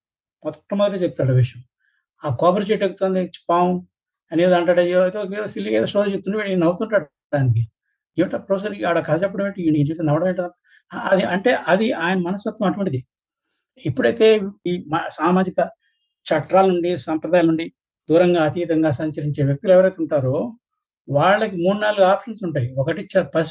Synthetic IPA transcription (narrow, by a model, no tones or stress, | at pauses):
pɔt̪ʈːɐmud̪ɐʈeːt͡ʃep̚t̪aːɽuʋiʂjɐm | aːkaːbɐɾt͡ʃeʈeɡut̪ond̪it͡ʃpawn | ɐneːd̪ɐɳʈaːɽɐjoɐjt̪ekːsilːikɐjt̪eːʂʈoːɾt͡ʃep̚t̪uniʋiʈinɐwut̪uɳʈaːɽ | aːnikiu | iɐʈɐpɾoːs̬enaɽɐkɐd̪ɐt͡ʃɛpːɐɽɐmiːʈiinit͡ʃesinɛʋɐɽɐmeːɳʈɐɐ | aɐd̪iʔɐɳʈe̞ːʔɐd̪iʔaːjɐnɐmɐnɐsɐt̪ʋɐmɐʈʋɐɳʈid̪i | ipːuɽɐjt̪e̞ːiːmɐsaːmaːd͡ʒikɐ | t͡ʃɐʈːɾaːluɳɖisɐmpɾɐd̪aːjalnuɳɖi | d̪uːɾɐŋɡaːɐt̪iːt̪ɐŋɡaːsɐɲt͡ʃɐɾiɲt͡ʃeːʋjɐk̚t̪ulɛʋɐɾɐjt̪euɳʈaːɾo | ʋaːɭːɐkimuːɽunaːluɡuaːpʂɐnsuɳʈaːjiɔkɐʈit͡ʃːaɾpɐs